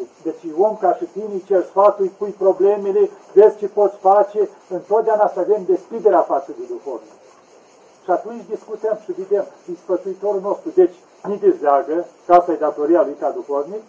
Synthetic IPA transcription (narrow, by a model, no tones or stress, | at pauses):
d̪et͡ʃwomkaʃit̪init͡ʃersfat̪ujʲpujpɾo̞blemelevezt͡ʃepo̞t̪sʲfat͡ʃe | ɨnt̪od̪eaunasavemd̪e̞skɾid̪eɾeafat̪səd̪ed̪ukorni | ʃiat̪unt͡ʃʲd̪iskut̪əmʃɨved̪emd̪isfət̪suit̪o̞ɾulno̞st̪ɾud̪et͡ʃʲ | nid̪ezeaɡəkast̪ajed̪at̪o̞ɾijalujkad̪ukoɾnik